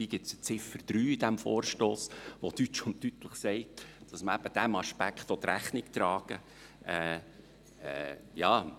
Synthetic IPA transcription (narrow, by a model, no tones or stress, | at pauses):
iːɡ̥ɪsə̥t͡sɪfəɾd̪̥ɾyːid̥̪æmfo̰ːɾʃtoːsʋot̪yt͡ʃʊntːyt̪ləχsɛɪd̥ɑsməæb̥əd̥æmɑʃpækχt̪ʋɔt̪ɾæχnɪkt̪ɾɑːɡ̥ə | ʔɛː | ɛ̰jɑː